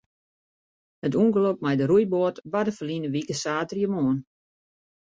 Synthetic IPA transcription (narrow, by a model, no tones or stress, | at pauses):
hətuŋɡəlok̚mɛjdəɾujboətʋadəfərlinəʋikəsaːtrjəmoːn